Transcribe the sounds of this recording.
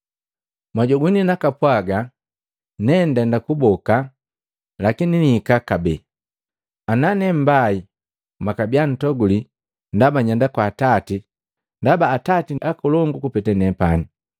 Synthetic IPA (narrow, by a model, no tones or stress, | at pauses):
maɟɔɡininakapwaɡa | nɛndɛndakubɔka | lakininiikakabɛ | ananɛm̩bai | makabian̩tɔɡuli | ndabaɲandakwaːtati | ndabaːtatiʔakɔlɔŋɡukupɛtɛnɛpani